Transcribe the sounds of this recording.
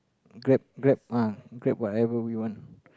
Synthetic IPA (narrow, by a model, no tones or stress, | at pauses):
ɡɹɛp̚ɡɹɛp̚aɡɹɛp̚wɔtɛvəwiwɔ̃n